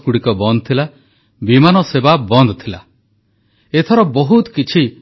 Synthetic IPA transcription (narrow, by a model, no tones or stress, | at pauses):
kuɽikɔbɔnd̪ɔt̪ʰila | bimanɔsebabɔnd̪ɔt̪ʰila | et̪ʰɔɾɔbɔɦut̪kit͡ʃʰi